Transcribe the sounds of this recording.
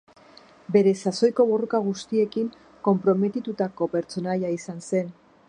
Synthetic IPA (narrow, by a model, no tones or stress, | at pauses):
be̞ɾe̞saso̞jko̞βo̞rokaɣ̞ust̪ie̞kiŋ | ko̞mpɾo̞me̞t̪it̪ut̪ako̞pe̞ɾt͡so̞najaisanse̞n